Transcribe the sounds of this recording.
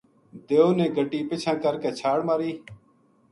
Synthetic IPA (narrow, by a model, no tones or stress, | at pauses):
d̪eːoːnẽːɡʱəʈiːpɪt͡ʃʰãːkəɾkeːt͡ʃʰaːɽmaːɾiː